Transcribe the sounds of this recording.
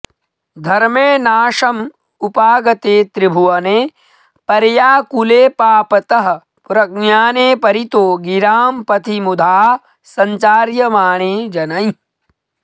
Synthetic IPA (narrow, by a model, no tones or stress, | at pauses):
d̪ʱɐɾmeːnaːʃɐm | upaːɡɐt̪eːt̪ɾɪbʱuʋɐneː | pɐɾjaːkuleːpaːpɐt̪ɐɦɐ̆ | pɾɐk̚njaːneːpɐɾit̪oːɡiɾaːmpɐt̪ʰimud̪ʱaː | sɐ̃ɲt͡ʃaːɾjɐmaːɳeːd͡ʒɐnɐi